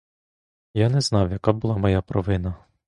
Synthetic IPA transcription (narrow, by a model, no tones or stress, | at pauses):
janɛznɑwjɐkabʊlˠɑmɔjapɾɔʋɪnɐ